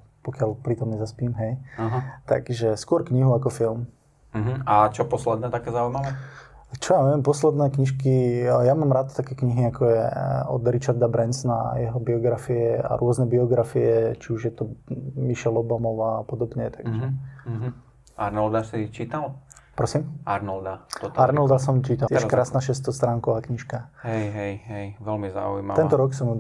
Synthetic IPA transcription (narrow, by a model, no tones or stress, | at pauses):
pɔkɪalpɾit̪ɔmɲɛzaspiːmɦɛjaɦat̪a̰ɡ̥ʒɛskʊɔɾkɲiɦuakɔfilm̩ | ɦ̩at͡ʃɔpɔslɛd̪nɛːt̪akɛːzaujmaʋɛːt͡ʃɔjaɲɛʋɛmpɔslɛd̪nɛːkɲiʃkijamaːmɾat̪t̪akɛkɲiɦiakɔjɛ̰ɔ̰d̪ɾit͡ʃaɾd̪abɾɛnsna̰jɛɦɔbiɔɡɾafiɛa̰ɾʊɔznɛbiɔɡɾafiɛt͡ʃiuʒjɛt̪ɔmiʃɛlɔbamɔʋaːpɔd̪ɔbɲɛt̪aɡʒɛ | ʔa̰ɾnɔld̪asit͡ʃit̪al | pɾɔsimaɾnɔld̪aɔaɾnɔld̪as̬ɔmt͡ʃit̪ajɛɛʃkɾaːsnaːʃɛst̪ɔst̪ɾaːŋkɔʋaːkɲiʃkaɦɛjɦɛjɦɛjʋɛlmiza̰ujmatɛnt̪ɔɾɔksɔm